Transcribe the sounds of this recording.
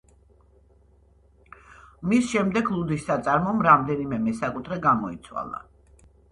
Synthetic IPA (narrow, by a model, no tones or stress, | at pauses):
misʃɛmd̪ɛɡlˠud̪isːat̪sʼaɾmɔmɾamd̪ɛnimɛmɛsakʼut̪ʰɾɛɡamɔḭt̪sʰwa̰lˠa̰